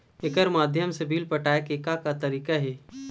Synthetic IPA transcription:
ɪkəɾmaːd̪ʱjəmsəbʱiːlpəʈaːjkeːkakat̪ɐɾiːkaɦɛː

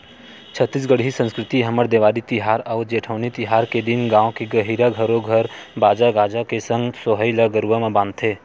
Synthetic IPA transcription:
t͡ʃʰət̪ːis̬ɡəɽɦisə̃nskɾɪt̪iɦɐməɾd̪eːʋaːlit̪ɪɦaːɾɔːd͡ʒeːʈʰəːnit̪ɪɦaːɾked̪ɪnɡãːõkeɡəɦiːɾaɡʱəɾõɡʱəɾbaːd͡ʒaɡaːd͡ʒakesə̃ŋɡsoːɦəɪlaɡəɾʋəmãbãːnt̪ʰeː

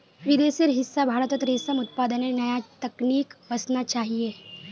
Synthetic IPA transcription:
ʋid̪esiɾɦisːabʱaɾət̪ət̪ɾesəmut̪̚pad̪ənenəjat̪əkniːkʋəsnat͡ʃaɦie

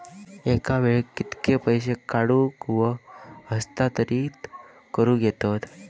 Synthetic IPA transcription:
ekaʋeɭkit̪kepəjɕ̬ekaɽuːkʋəhəst̪at̪əɾiː | kəɾuːɡet̪ot̪

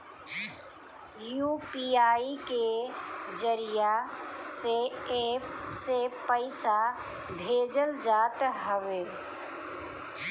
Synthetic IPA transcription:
juːpiaːiked͡ʒəɾijaseepsepəɪsa | bʱeːd͡ʒəld͡ʒaːt̪ɦəʋeː

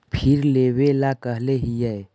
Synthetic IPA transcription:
pʰɪɾleːwelakəɦleɦijɛe

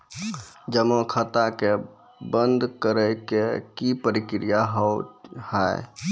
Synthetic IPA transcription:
d͡ʒəmõkʰət̪ake | bənd̪ʱkəɾəjkekipəɾikɾijaɦəwhəḛ

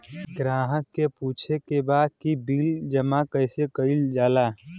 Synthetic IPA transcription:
ɡɾãːɦəkːepuːt͡ʃʰekebaːd̪̚kibiːld͡ʒəmakəɪsekəɪld͡ʒaːlaː

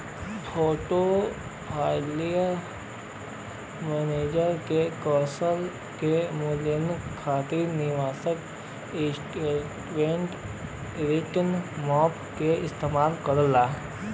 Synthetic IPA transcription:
fʰoːʈo | pʰaːɪlijəɾ | mɛːneːd͡ʒəɾkekɔːsəl | kemʊlɪnkʰaːt̪iɾnɪʋaːsək | esʈeʈʋẽːɳʈ | ɾɪʈənmɔːpkeɪst̪eːmaːlkəɾəlaː

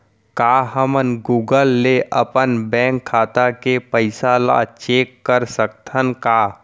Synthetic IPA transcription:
kaːɦəmənɡuːɡəlːeʔəpənbɛ̃ːŋkʰːaːt̪akepəɪsala̰t͡ʃeːkːəɾsək̚t̪ʰənkaː

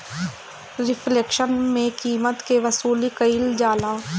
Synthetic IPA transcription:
ɾɪfʰleːkʃənmẽkiːmət̪keʋɐsuːlikəɪld͡ʒaːlaː

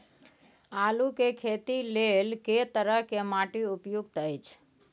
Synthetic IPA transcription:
alukekʰet̪ilelket̪əɾəɦkemaʈiupjuɡt̪əjt͡ʃʰ

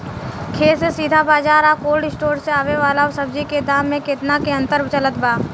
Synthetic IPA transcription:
kʰeːsesiːd̪ʱabaːd͡ʒaːɾakoːlɖɪsʈoːɾseaːʋeʋaːlasəbd͡ʒiked̪aːmːẽket̪nakeɐ̃nt̪əɾbt͡ʃələt̪baː

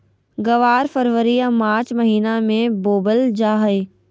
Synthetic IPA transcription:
ɡɐʋaːɾfəɾʋəɾiamaːt͡ɕmɐɦiːnamẽboːbəld͡ʑaːɦe

